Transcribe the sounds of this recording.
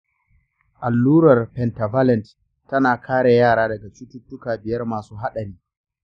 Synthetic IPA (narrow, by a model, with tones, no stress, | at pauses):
ʔa˨lːuː˦ɾɐ˨rpɛ˨nta˨va˦lɛ˨nt | tɐ˦naː˨kʰaː˦ɽa˨jaː˦˨ɽaː˦dɐ˨ɡa˨t͡ʃu˦tʊ˦tːʊ˦kaː˨bɪ˨jɐ˦rmaː˨suː˦ɦa˦ɗɐ˨ɾiː˦